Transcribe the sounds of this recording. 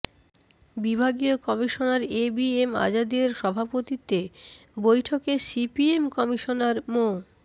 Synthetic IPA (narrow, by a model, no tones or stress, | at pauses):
bibʱaɡiokɔmiʃonaɾebiema̰d͡ʑad̪eɾʃɔbʱapot̪it̪ebojʈʰokesipiemkɔmiʃonaɾmo